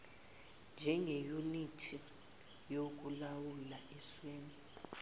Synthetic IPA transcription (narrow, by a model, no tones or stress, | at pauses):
nd͡ʒʱɛŋejunitʰi | jok̬ulawulaʔɛsweːni